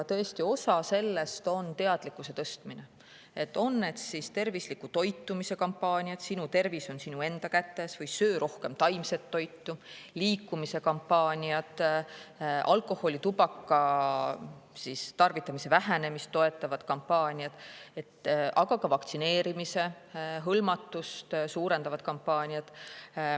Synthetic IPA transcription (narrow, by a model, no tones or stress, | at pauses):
t̪ɤ̞est̪io̞sɑse̞lːe̞st̪o̞nt̪e̞ɑd̪̥likːˑuse̞t̪ɤst̪mine | e̞t̪ːˑo̞nːe̞d̪̥sist̪e̞rvislikːut̪o̞jt̪ːˑumise̞kɑmpːɑːnʲiɑt̪sinut̪e̞rviso̞nsinue̞nd̪̥ɑkæt̪ːe̞svɤjsøːɾʔo̞hke̞mt̪ɑjmse̞t̪ːo̞jt̪ːuliːkːumise̞kɑmpːɑːnʲiɑt̪ˑ | ʔɑ̰lkˑo̞ho̞lit̪ubɑkːɑ | sist̪ɑrvit̪ːˑɑmise̞væɦæne̞mist̪ːo̞e̞t̪ːˑɑvɑd̪̥kɑmpːɑːnʲiɑd̪̥e̞t̪ːʔɑɡ̥ɑkɑvɑk̚t̪sine̞ːɾimise̞ | ɦɤlmɑt̪ˑːust̪suːɾe̞nd̪ɑvɑd̪̚kɑmpːɑːnʲiɑd̪̥